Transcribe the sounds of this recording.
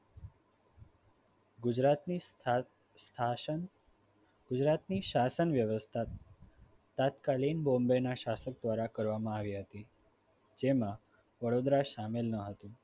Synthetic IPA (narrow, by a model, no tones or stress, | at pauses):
ɡud͡ʑɾat̪ | st̪ʰa | ɡ̥ud͡ʑɾat̪niːɕasənʋjəʋəst̪ʰat̪ː | at̪kaliːnbombenaɕasək̚d̪ʋaɾakəɾʋamãaʋiːɦət̪i | d͡ʑema | ʋəɽod̪ɾaɕamelnəɦət̪ũ